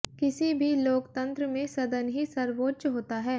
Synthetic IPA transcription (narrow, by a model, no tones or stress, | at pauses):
kɪsibʱiloːkt̪ɐ̃nt̪ɾəmẽsɐd̪ənɦisɐɾʋoːʃɦoːt̪aɦɛː